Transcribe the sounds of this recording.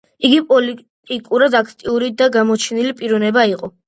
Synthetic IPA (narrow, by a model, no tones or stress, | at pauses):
iɡipʼɔli | t̪ʼikʼuɾad̪akʰt̪ʼiuɾid̪aɡamɔt͡ʃʰɛnilipʼiɾɔnɛbaiqʼɔ